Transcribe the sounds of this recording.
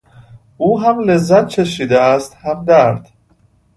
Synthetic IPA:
ʔuːɦæmlezːæt̪̚t͡ʃʰeʃiːd̪eæst̪hæmd̪æɾd̪̥

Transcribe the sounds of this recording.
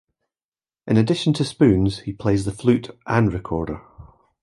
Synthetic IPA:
ʔɪ̃nədɪʃə̃ntʰəspʉ̃nz̥hipʰl̥eːzðəflˠʉʔʔə̃nɹɪkʰɔɹdə˞

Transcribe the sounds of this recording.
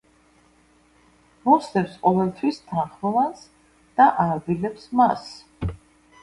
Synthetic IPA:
mɔsd̪ɛpsqʼɔvɛlˠt̪ʰwist̪ʰanχmɔvans | d̪̥aʔaɾd̪ilɛpsmas

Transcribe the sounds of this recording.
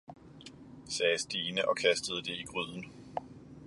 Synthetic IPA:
sɛːsd̥iːnəʔɒ̽kʰæsd̥əð̞̩ˠəd̥e̝iɡ̥ʁyð̰ˠn̩

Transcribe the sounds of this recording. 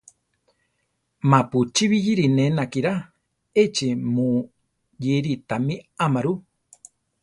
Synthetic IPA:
mãput͡ʃiβijiɾinenakiɾa | et͡ʃemu | jiɾit̪amĩamaɾu

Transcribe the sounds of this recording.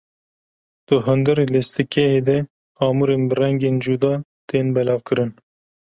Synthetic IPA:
d̪̥ɨɦɨnd̪ɨɾelest̪ɨkɛheːd̪ɛ | ɑːmuɾenbɨrɛŋɡeːnd͡ʒud̪ɑːt̪eːnbɛlɑːvkɨɾɨn

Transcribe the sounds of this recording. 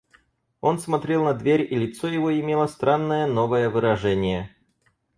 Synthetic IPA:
o̞nsmɐt̪ɾʲelˠnɐd̪vʲeɾʲilʲɪt̪sojɪvoɪmʲelˠəst̪ɾanːəjəno̞vəjəvɨɾɐʐɛnʲɪjə

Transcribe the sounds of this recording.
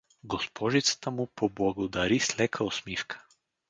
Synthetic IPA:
ɡɔspʰɔʒit̪sḁt̪amupɔblˠaɡod̪aɾislɛkʰaɔsmifkʰḁ

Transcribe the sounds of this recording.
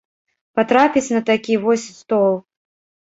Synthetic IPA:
pat̪ɾapʲit͡sʲnɐt̪akʲivɔsʲst̪ɔlˠ

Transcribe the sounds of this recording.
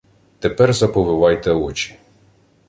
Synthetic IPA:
t̪epɛrzɐpɔʋɪʋɑjt̪ɛɔt͡ʃʲi̥

